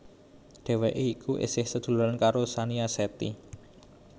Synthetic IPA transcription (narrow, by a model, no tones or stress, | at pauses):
ɖ̥e̤weʔeikʰuʔɪ̰sɪhsəd̪̥ṳlʊɾankaɾosaniasɛt̪ḭ